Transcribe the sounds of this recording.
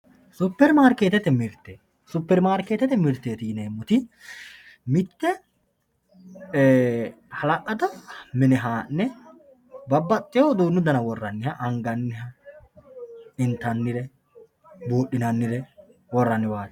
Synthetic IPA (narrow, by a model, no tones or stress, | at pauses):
sʊpːɛɾmaːɾkeːt̪ɛt̪ɛmɪɾt̪ːɛ | sʊpːɛɾmaːɾkeːt̪ɛt̪ɛmɪɾt̪ːeːt̪iːneːmːʊt̪ɪ | mɪt̪ːɛ | hɐlɐʔɐd̪ɐmɪnɛɦaːnːɛ | bɐbːɐt̪ʼːɪjoːd̪uːnːʊd̪ɐnɐwɔrːɐnːɪhɐʔɐŋɡɐnːɪɦɐ | ɪnt̪ɐnːɪɾɛ | buːɗːɪnɐnːɪɾɛ | wɔrːɐnːɪwaːt̪